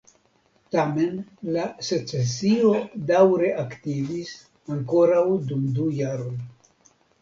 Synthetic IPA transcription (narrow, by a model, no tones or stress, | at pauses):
tame̞nlase̞t͡sesio̞dawɾe̞ʔaktivis | aŋko̞ɾawdumdujaɾo̞j